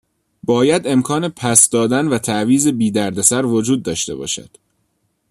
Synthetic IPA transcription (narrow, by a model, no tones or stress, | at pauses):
bɒːjæd̪e̞mkʰɒːne̞pʰæsd̪ɒːd̪ænvæt̪ʰæʔviːze̞biːd̪æɾd̪e̞sæɾvo̞d͡ʒuːd̪ːɒːʃt̪e̞̰bɒ̰ːʃæ̰d̪̥